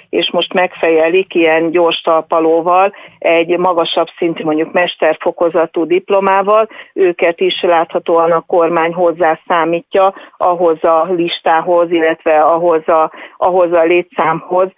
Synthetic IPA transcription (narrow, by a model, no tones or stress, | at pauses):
eːʃmo̞ʃt̪mɛkfɛjɛlikijɛnɟoːrʃt̪ɒlpɒloːvɒlɛɟmɒɡɒʃɒbsint̪ymo̞ɲɟukmɛʃt̪ɛrfo̞ko̞zɒt̪uːd̪iplo̞maːvɒløːkɛt̪iʃlaːt̪hɒt̪oːɒnɒko̞rmaːɲɦo̞zːaːsaːmiːcːɒɒɦo̞zɒliʃt̪aːɦo̞zilːɛt̪ʋɛɒɦo̞zɒʔɒɦo̞zɒleːt̪saːmho̞z